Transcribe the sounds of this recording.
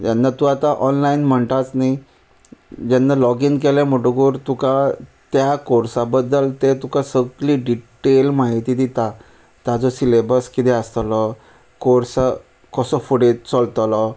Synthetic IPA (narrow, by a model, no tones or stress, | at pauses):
janːat̪uat̪aʔɔnlainm̤əɳt̪at͡snai | d͡ʑanːalɔɡiŋkɛlɛ̃m̤oʈoɡuːɾt̪ukat̪jakoɾsabəd̪ːəlt̪et̪ukãsəɡliːɖiʈelmaɦit̪id̪it̪a | t̪jad͡zɔsilebəskit̪ɛəst̪lɔ | koɾsa | kəsɔfuɽet͡sɔlt̪lɔ